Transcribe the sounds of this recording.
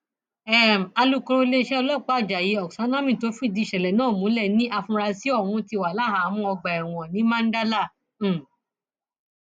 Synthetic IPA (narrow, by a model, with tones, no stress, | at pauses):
ɛ˦˨a˧lu˦kɔ̃˧ɾõ˧le˦˧ʃɛ˦ɔ˧lɔ˦˨k͡pa˦a˦˨d͡ʒa˨ji˨˦ɔ˨ksa˨˦nã˦mĩ˦˨to˨˦fĩ˦˨di˨˧˨ʃɛ˨lɛ˨nãː˦˨mũ˨˦lɛ˦˨nĩ˦ʔa˧fũ˧ɾa˧si˦ɔ˦˨wũ˧˦ti˧˨wa˨la˦˨ɦa˨˦mũ˦ɔ˧ɡ͡ba˨ɛ˨w̃ɔ˨nĩ˨˦mã˦n̩˦da˦lã˦˨˦